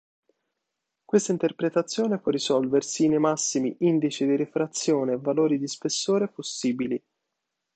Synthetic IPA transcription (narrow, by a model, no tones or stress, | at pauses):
kwest̪aint̪erpɾet̪at̪sːjoːnepwɔrːisɔlversinemasːimiʔind̪it͡ʃid̪iɾefɾat̪sːjoːneːvːaloːɾid̪ispesːoːɾeposːiːbili